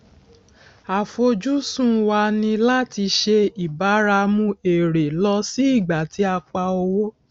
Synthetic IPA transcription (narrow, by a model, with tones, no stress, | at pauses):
a˨fo˧d͡ʒu˦sũ˦wa˧nĩ˧la˦ti˧ʃe˧i˨ba˨˦ɾa˧mũ˧e˨ɾe˨lɔ˧˦si˦i˦˨ɡ͡ba˨ti˨˦a˧k͡pa˧o˧wo˦